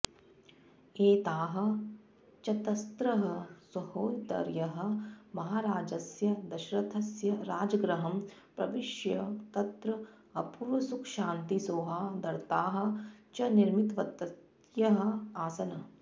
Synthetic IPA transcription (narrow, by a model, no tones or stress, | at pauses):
eːt̪aːɦɐ̆ | t͡ʃɐt̪ɐst̪ɾɐɦɐswɐhoːjt̪ɐ̰ɾjɐɦɐ̆mɐɦaːɾaːd͡ʒɐsjɐd̪ɐʃɾɐt̪ʰɐsjɐɾaːd͡ʒɐɡɾɐɦɐm | pɾɐʋiʃjɐt̪ɐt̪ɾɐ | ɐpuɾʋɐsukʃaːnt̪isoːɦaːd̪ɐɾt̪aːɦɐ̆t͡ʃɐniɾmit̪ʋɐt̪ːɐt̪ | jɐɦɐ̆aːsɐnɐ